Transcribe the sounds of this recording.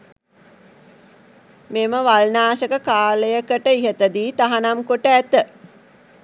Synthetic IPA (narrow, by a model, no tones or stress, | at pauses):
meməʋalnaːsəkəkaːləjəkəʈəiɦət̪əd̪iːt̪aɦanamkoʈəæt̪ə